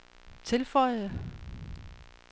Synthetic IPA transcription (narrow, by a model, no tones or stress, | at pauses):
t͡sʰe̝lfɒ̽ɪ̰ð̩ˠə